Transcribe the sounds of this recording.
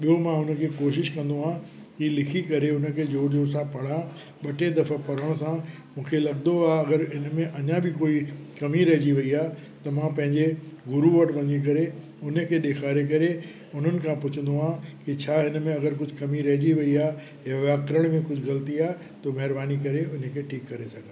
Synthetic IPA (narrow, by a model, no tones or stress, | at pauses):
ɓijomãʊnə̆kʰeːkoːʃɪʃkɐ̃nd̪oɦãː | kilɪkʰikɐɾeʊnə̆kʰeːd͡ʑoːɾd͡ʑoːɾsãpɐɽ̤ã | ɓɐʈʰed̪ɐfəpɐɾəɽ̃sã | mũːkʰelɐɠd̪oaːɐɡəɾɦɪnmẽʔɐɲãbʱɪkoːikɐmiɾɐɦd͡ʑiʋɐiaː | t̪ɐmãpɐ̃ɦɪ̃ɲd͡ʑeɡʊɾuʋɐʈʋɐ̃ɲik̬ɐɾe | ʊnəkʰeːɗeːkʰaːɾekɐɾe | ʊn̤ənɪ̆kʰãpʊt͡ɕʰə̃n̆d̪oɦãkit͡ɕʰaːɦɪnəmẽɐɡəɾkʊd͡ʑʱkɐmiɾɐɦd͡ʑiʋɐiaː | ɪjaʋaːkɾəɽ̃mẽkʊd͡ʑʱɣɐlət̪iaː | t̪omɐɦɪɾbaːnikɐɾeʊnəkʰeːʈʰiːkːɐɾesɐɡʱə̃